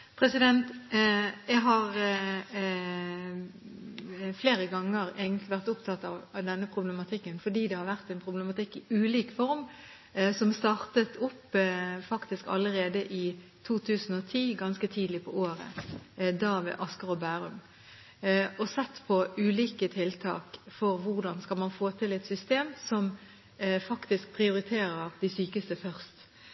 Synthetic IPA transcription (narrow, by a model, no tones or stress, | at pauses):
pʰʁɛsɪd̪ɛnt̪ | jæɡɦɑʁ | fleːɾəɡɑŋːəɾeːɡənt̪lɪʋæʁt̪ʊpt̪ʰɑt̪ːɑʋɑʋd̪ɛnːəpʰʁʊblɛmɑt̪ʰɪkːənfɔd̪iːd̪ɛhɑɾʋæʁt̪ɛɪnpʰʁʊblɛmɑt̪ɪkːɪʉːliːkfɔɾm | sɔmst̪ɑːʁt̪ət̪ʰʊpːfɑkt̪ɪskɑ̰lːəɾeːd̪əʔɪt̪ʰuːt̪ʰʉːsn̩ɔt̪ʰiːɡɑnskət̪ʰiːd̪lɪpʰɔoːɾə̰d̪ɑʋɛ̰ʔɑskɑʁɔbæːʁʉ̰m | ɔsɛt̪ːpʰɔʉːliːkət̪ʰɪlt̪ʰɑ̰ːkfɔɾʋʊʁd̪ɑnskɑlmɑnfoːt̪ʰɪlɛt̪sʏst̪eːmsɔm | fɑkt̪ɪsk̚pʰʁɪʊɾɪt̪ʰeːɾəʁd̪ɪsyːkəst̪əfœʁst̪